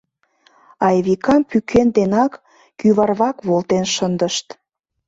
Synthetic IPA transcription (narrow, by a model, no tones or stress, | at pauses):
ɑjβikɑmpykʰend̪enɑkː | yβɑrβɑkβolt̪enʃənd̪əʃt̪